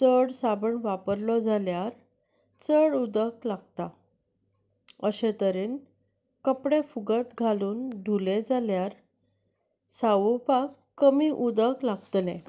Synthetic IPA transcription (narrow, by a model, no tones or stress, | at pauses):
t͡səɽsabəɳʋapəɾlɔd͡zʱaljaɾ | t͡səɽud̪əklaɡ̚t̪a | əɕẽt̪əɾeːn | kəpɽefuɡət̪ɡʱaluːnɖʱuled͡zaljaɾ | saʋupakːəmiːʔud̪əklaɡt̪lẽ